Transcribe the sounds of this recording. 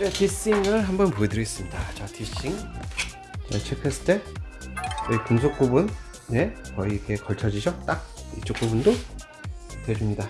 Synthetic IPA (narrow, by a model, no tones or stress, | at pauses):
ɾetʰis͈iŋɯɭɦambʌnpoedɯɾʌis͈ɯmɲidat͡ɕatʰiɕ͈iŋ | t͡ɕet͡ɕʰekʰes͈ʰt͈ʰe | ikunsʰok̚k͈ubun | ne̞kʌiɡe̞kʌɭt͡ɕʰʌd͡ʑiɕʰʌt͈ak̚ḭt͡ɕ͈ʰok͈ubundo | tweɾimɲida